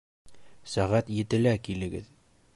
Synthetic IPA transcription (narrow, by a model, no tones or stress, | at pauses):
sæʁæt̪jɘ̆t̪ɘ̆lækilɘ̆ɡɘð